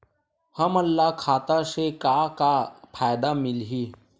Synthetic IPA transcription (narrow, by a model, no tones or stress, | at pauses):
hɐmɐlːakʰaːt̪asekakapʰaːjd̪amɪlɦiː